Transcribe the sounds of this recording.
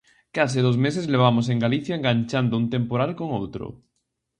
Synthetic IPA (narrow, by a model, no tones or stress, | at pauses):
kas̬ɪðozmes̬ezleβ̞amos̬eŋɡaliθjaeŋɡaɲt͡ʃand̪ount̪ẽmpoɾalkoŋowt̪ɾo̰